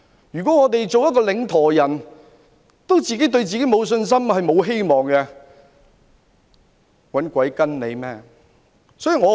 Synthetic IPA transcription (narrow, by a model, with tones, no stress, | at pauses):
jyː˨˩kʷɔː˨˥ŋɔː˨˧t̪e˨jt͡so˨wjɐ˥t̚k̬ːɔː˧lɪ˨˧ŋt̪ʰɔː˨˩jɐ˨˩n | t̪o˥wt͡siː˨ke˨˥jt̪̬ɵ˧ɥt͡siː˨ke˨˥jmo˨˧wsɵ˧ns̬ɐ˥mhɐ˨jmo˨˧wɦe˥jmɔː˨ŋkɛ˧ | wɐ˨˥nkʷɐ˨˥jkɐ˥nne˨˧jmɛː˥ | sɔː˥i˨ŋɔː˨˧˥